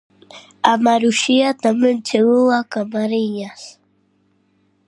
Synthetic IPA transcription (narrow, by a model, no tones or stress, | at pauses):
amaɾuʃiat̪amənt͡ʃewuwakamaɾiɲas